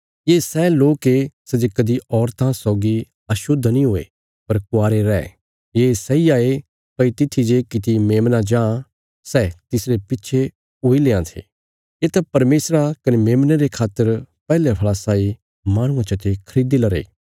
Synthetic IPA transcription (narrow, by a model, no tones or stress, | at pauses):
jeːsɛloːkesɛd͡ʒekɐd̪iɔːɾt̪ʰãsɔːɡi | ɐʃʊd̪ʱːnĩɦoːḛ | pɐɾkʊaːɾeɾɛː | jeːsɛiaːe | pɐit̪ɪt̪ʰːid͡ʒekɪt̪imeːmnad͡ʒãː | sɛːt̪ɪsɾepɪtːʃʰe | oːileːãt̪ʰḛː | jeːt̪apɐɾmeːsɾakɐnemeːmneɾekʰaːt̪ːəɾpɛːlepʰɐɭasaːi | maːɽ̃ʊ̃ãt͡ʃɐt̪ekʰɐɾiːd̪elɐɾḛː